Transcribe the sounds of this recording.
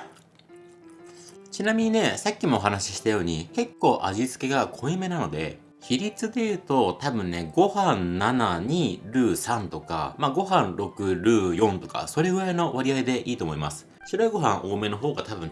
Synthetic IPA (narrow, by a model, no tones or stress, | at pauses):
t͡ɕinamʲiɲ̟ine̞sakʲːimo̞ːɦanaɕi̥ɕi̥t̪ajo̞ːɲ̟ike̞kːo̞ːʔaʑizɨ̥ke̞ɡakʰo̞ime̞nano̞d̪e̞̰ | çiɾʲit͡sɨd̪e̞jɯ̟ːt̪o̞t̪abɯ̟̃nnːe̞ɡo̞hãnnːanaɲ̟iːɾɯ̟ːsãnt̪o̞ka̰maɡo̞ɦãnɾo̞kɯ̟ɾɯ̟ːjõ̞nt̪o̞ka̰so̞ɾe̞ɡɯaeno̞βaɾʲiaid̪e̞ʔiːt̪o̞ːmo̞imasɨ̥ | ɕiɾo̞iɡo̞ɦãɰ̃ʔo̞ːme̞no̞ɦo̞ːɡat̪abɯ̟̃n